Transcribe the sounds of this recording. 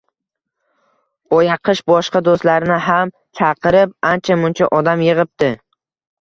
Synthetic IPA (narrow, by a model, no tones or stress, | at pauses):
ɒjɑqʰɨʃbɒʃqɑd̪ost̪laɾɪnɪɦam | t͡ʃʰɑqʰɨɾɪp̚ant͡ʃʰamʊnt͡ʃʰaʔɒd̪amjɨʁɨp̚t̪ɪ